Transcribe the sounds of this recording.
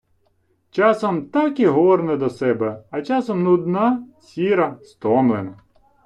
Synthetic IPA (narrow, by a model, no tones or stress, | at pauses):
t͡ʃɑsɔmt̪ɑkiɦɔrnɛd̪ɔsɛbɛɐt͡ʃɑsɔmnud̪nɑt͡sʲiɾɐst̪ɔmlˠenɐ